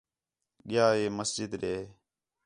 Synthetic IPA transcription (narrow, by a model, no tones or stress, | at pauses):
ɠɪjaːeːməsd͡ʒɪd̪ɾeː